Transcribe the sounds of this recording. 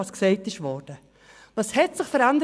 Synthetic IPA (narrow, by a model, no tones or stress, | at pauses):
ɑsksɛɪtɪʃʋɔɾd̥ə | vɑːshɛtsɪχfəɾandə